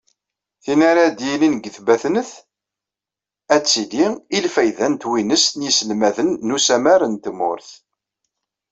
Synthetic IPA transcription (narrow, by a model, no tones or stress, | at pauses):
θinaɾæd̪jilinɡəθbæθnəθ | æt͡sːiliilfæjðænt̪winəsnjisəlmæðənːusæmæɾənt̪əmʊ̰ɾθ